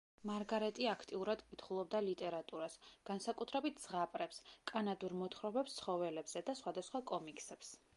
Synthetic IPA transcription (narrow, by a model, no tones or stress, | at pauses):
maɾɡaɾɛt̪ʼiakʰt̪ʼiuɾad̪kʼit̪ʰχulˠɔbd̪alit̪ʼɛɾat̪ʼuɾasɡ̥ansakʼut̪ʰɾɛbit̪̚ʰdz̥ʁapʼɾɛpskʼanad̪uɾmɔt̪ʰχɾɔbɛpst̪sʰχɔvɛlɛbz̥ɛd̪asχwad̪asχwakʼɔmikʼsɛps